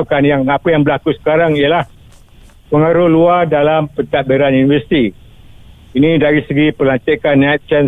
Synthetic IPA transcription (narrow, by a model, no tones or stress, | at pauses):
kanjaŋapajaŋbəlakusə̥kaɾaŋijəlah | pəŋaɾʊhluardalampət̪aʔ̚beɾanjunivəsi̥t̪i | inĩdaɾisəɡipərlant̪akanːat̪̚t͡ʃən